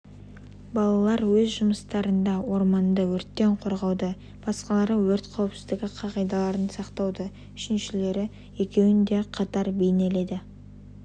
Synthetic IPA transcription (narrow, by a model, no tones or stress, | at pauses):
bɑlˠɑlˠɑɾwɵzʒʊməst̪ɑɾənd̪ɑwo̞ɾmɑnd̪əwɵɾt̪ːe̞ɴqʰo̞ɾʁɑwd̪ə | b̥ɑsqɑlˠɑɾəwɵɾt̪qʰæwɪpsɪzd̪ɪɡʲɪqʰɑʁɑjd̪ɑlˠɑɾənsɑqt̪ɑwd̪ə | ʏʃɪnʃɪle̞ɾɪ | je̞kʲe̞wɪnd̪e̞qʰɑt̪ɑɾbe̞jne̞le̞d̪ɪ